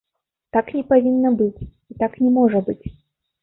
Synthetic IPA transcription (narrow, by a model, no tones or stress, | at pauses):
t̪aknʲɛpavʲinːɐbɨt͡sʲ | it̪aknʲɛmɔʐɐbɨt͡sʲ